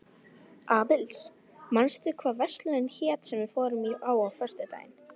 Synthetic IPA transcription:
aːðɪls | manst̪ʏkʰvaːvɛst̪lʏɾɪnçɛːt̪sɛmvɪðfɔːɾʏmiaːwawfœr̥st̪ʏt̪a̰ːjɪn

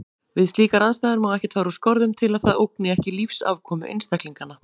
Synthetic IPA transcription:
vɪðst̪iːkaɾaðst̪ajðɪɾʏmɔɣɛhcɪt̪ʰfaːɾuskɔɾðʏmt̪ʰɪlaðθaðowknɪɛhcɪlifsa̰ːvkʰɔːmʏ̰ʔḛjnst̪ɛkliŋkanːa

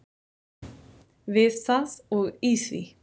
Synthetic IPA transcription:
vɪsasɔɣiːsvḭ

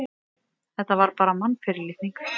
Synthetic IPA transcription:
θɛht̪ːavaɾpaːɾamanːfɪɾɪlɪθniŋk

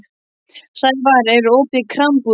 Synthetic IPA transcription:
sajvaɾɛɾɔːpɪkʰɾampu

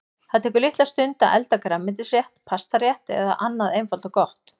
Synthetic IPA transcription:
θaðt̪ʰɛːkʏɾlɪht̪last̪ʏnt̪aʔɛ̰lt̪akɾamːɪnt̪̬ɪsjɛht̪pʰast̪aɾjɛht̪ɛ̰ða̰ʔanːaðejnfalt̪ɔkɔht̪

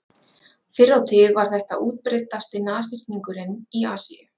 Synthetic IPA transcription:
fɪɾːawt̪ʰɪðvaɾ̥θɛht̪aʔuːt̪pɾejt̪ast̪ɪnaːst̪ɪr̥t̪niŋkʏɾɪniaːsiʏ

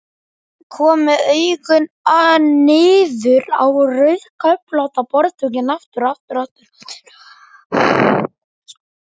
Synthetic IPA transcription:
kʰɔːmɪðœjɣʏn | anɪːðʏɾa̰wrœɥðkaplawt̪apɔɾðt̪ʰucɪnaft̪ʏɾaft̪ʏɾaft̪ʏɾ̥

